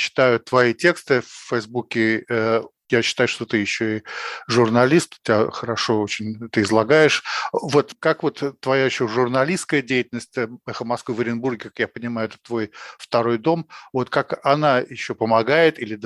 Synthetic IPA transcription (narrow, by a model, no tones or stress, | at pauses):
ɕːɪ̥t̪ajʊt̪vɐitʲekst̪ɨfʲːəjzbukʲɪ | jaɕːɪ̥t̪ajʊʂt̪o̞t̪ɨjɪɕːoɪʐʊrnɐlʲist̪tʲɪaxəɾɐʂo̞ot͡ɕɪnʲt̪ɨɪzlˠɐɡajɪʂvo̞t̪kakvo̞t̪ːvɐjaɪɕːoʐʊrnɐlʲiskəjədʲejɪtʲɪlʲnəsʲtʲɛxəmɐskvɨvəɾʲɪnburɡʲɪkḁkjapənʲɪmajʊɛt̪ə̥t̪ːvo̞jft̪ɐɾo̞jd̪o̞mvo̞t̪kakɐnajɪɕːopəmɐɡajɪt̪ilʲɪd̪